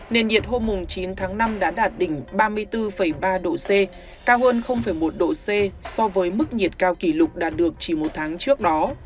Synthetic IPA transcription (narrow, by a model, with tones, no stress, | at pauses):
ne˨˩nɗḭ˨˩ət̚ho˧mːʊ˨˩ŋ͡mt͡ɕi˨˦nt̪ʰaː˨˦ŋna˧mɗa̰ː˧˥ɗaː˨˩t̚ɗï˧˩ŋ̟ɓaː˧mɨ˧əjt̪ɨ˧fə˧˩jɓaː˧ɗo̰˧˨se˧ | kaː˧whəː˧nxə˧wŋ͡mfə˧˩jmo˨˩t̚ɗo̰˧˨se˧sɔ˧vəː˨˦jmɨ˦˥k̚ɲi˨˩ət̚kaː˧wki˧˩lʊ˨˩k͡p̚ɗa̰ː˨˩t̚ɗɨ˨˩ək̚t͡ɕi˧˩mo˨˩t̚t̪ʰaː˨˦ŋt͡ɕɨ˦˥ək̚ɗɔ˨˦